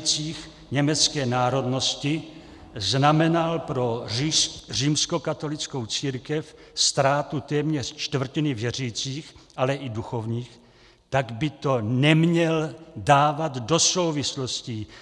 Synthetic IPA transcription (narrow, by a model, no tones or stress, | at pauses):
t͡siːx | ɲɛmɛt͡skɛːnaːɾo̞dno̞scɪ | znamɛnalpɾo̞ | riːmsko̞kat̪o̞lɪt͡sko̞wt͡siːɾkɛfst̪ɾaːt̪ut̪ɛːmɲɛr̥t͡ʃt̪v̩cɪnɪvjɛr̝iːt͡siːxʔalɛʔɪduxo̞vɲiːx | t̪aɡbɪt̪o̞nɛmɲɛldaːvad̪do̞so̞wvɪslosci